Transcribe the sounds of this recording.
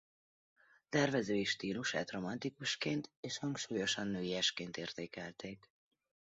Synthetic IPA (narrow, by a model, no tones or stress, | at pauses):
t̪ɛrvɛzøːiʃt̪iːluʃa̰ːt̪ro̞mɒnt̪ikuʃkeːnt̪eːʃhɒŋkʃuːjo̞ʃɒnːøːiɛʃkeːnt̪eːrt̪eːkɛlt̪eːk